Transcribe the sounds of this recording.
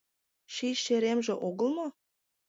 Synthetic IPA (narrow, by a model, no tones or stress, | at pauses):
ʃiʃeɾemʒĕʔoɡə̆lˠmo